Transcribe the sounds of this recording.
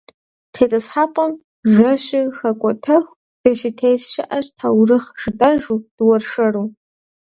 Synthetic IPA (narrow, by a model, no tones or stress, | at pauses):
tʰejtʼɐsħaːpʼɐm | ʒɐɕɪxɐkʷʼɔtʰɐxʷ | d̥ɐʃɪtʰejzʃɪʔɐɕtʰawrɨχʒ̥ɨtʼɐʒud̥wɐrʂɐru